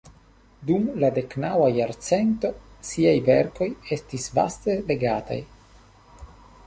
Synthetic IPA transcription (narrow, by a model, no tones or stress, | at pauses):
dumlade̞knawajaɾt͡se̞nto̞siajveɾko̞je̞stisva̰ste̞le̞ɡata̰j